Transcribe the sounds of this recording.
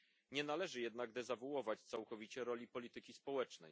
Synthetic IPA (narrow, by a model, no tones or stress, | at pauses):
ɲɛnalɛʐɘjɛd̪naɡd̪ɛzavuwɔvat͡ɕt̪sawkɔvʲit͡ɕɛɾɔlʲipɔlʲit̪ɘkʲispɔwɛt͡ʂnɛ̰j